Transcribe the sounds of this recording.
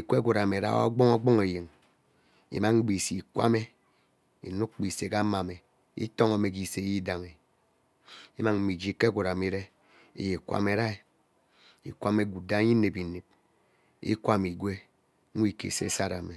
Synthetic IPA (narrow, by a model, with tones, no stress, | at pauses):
i˨kʷe˦ɡʷu˨ɾa˨me˨ɾa̰˦o̰˦ɡ͡bɔ˦ŋɔ˦ɡ͡bɔ˦ŋe˨ji˨ŋ | ḭ˨ma˦ŋŋ͡m̩˦ɡ͡bi˨si˨kʷa̰˦me˦ | ḭ˨nu˦k̚k͡pi˨se˨ka˦ma˨me˨ | ḭ˦to˦ŋa˨me˨k̬i˨se˨˦ji˦da˨ŋe˨ | i˦ma˦˨ŋ̩˦mi˨d͡ʒi˨ke˦ɡʷu˨ɾa˨me˨ɾe˦ | ḛ˨je˨kʷa̰˦me˨˦ɾa˦e˨ | ḭ˨kʷa˦me˦ɡu˨da˦ɲi˦ne˨pi˨ne˨p̚ | ḭ˦kʷa˦˨mi˨ɡʷe˦ | i˦kḛ˨sḛ˦sa˦ɾa˨me˨